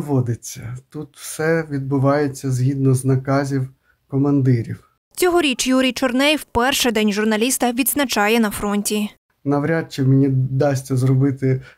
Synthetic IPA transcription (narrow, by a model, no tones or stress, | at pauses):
ʋɔd̪ɪt͡sʲːɐt̪ut̪w̥sɛʋʲid̪̚bʊʋɑjet͡sʲːɐzɦʲid̪nɔznɐkɑzʲiw | kɔmɐnd̪ɪɾʲiw | t͡sʲɔɦɔɾʲit͡ʃjuɾʲijt͡ʃɔrnɛjwpɛrʃɛd̪ɛnʲʒʊrnɐlʲist̪ɐʋʲid̪znɐt͡ʃɑjɛnɐfɾɔnʲtʲi | nɐʋɾʲat̪̚t͡ʃɪwmenʲid̪ɑsʲtʲɐzrɔbɪt̪ɪ